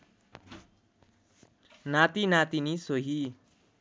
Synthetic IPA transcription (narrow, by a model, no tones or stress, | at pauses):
nat̪inat̪inisoɦi